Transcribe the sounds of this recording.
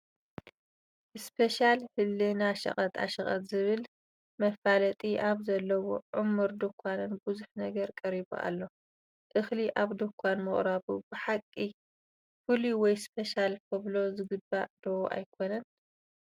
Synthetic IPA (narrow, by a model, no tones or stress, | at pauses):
ɨspʰeʃalhɨlːɨnaʃɐ̰χʼɐt̪ʰa̰ʃɐχʼɐt̪zɨβɨl | mɐfalɐt̪ʼiʔaβzɐlːɐwoʕʊmːuɾd̪okʷʰanɨnbuzuħnɐɡɐɾkʼɐɾibṵʔa̰lːo̞ | ʔɨxliʔaβd̪okʷʰanmɨχʼɾaβubɨħakʼːi | fuliwɔjspʰeʃalkʰɐβlo̞zɨɡɨbad̪̥owʔa̰jkʰonɐn